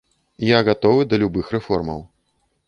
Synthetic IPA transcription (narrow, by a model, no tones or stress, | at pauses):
jaɣat̪ɔvɨd̪ɐlʲubɨxrɛfɔrmɐ̰w